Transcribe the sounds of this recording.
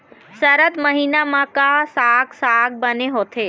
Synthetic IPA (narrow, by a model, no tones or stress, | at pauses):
səɾət̪məɦiːnamãkasaːɡsaːɡ̚bəneɦoːt̪ʰeː